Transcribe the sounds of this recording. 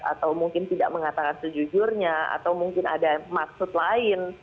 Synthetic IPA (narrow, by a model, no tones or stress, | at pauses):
a̰t̪awmuŋkɪnt̪ida̰ʔ̚məŋat̪akansəd͡ʒud͡ʒʊrɲaa̰t̪awmuŋkɪna̰damaksʊt̪laɪn